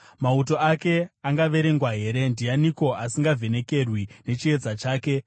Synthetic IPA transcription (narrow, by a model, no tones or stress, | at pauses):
mauto̞ake̞aŋɡaʋe̞ɾe̞ŋɡwaɦe̞ɾe̞ndianiko̞asiŋɡavʱe̞ne̞ke̞rwine̞t͡ʃie̞d͡zat͡ʃaːke̞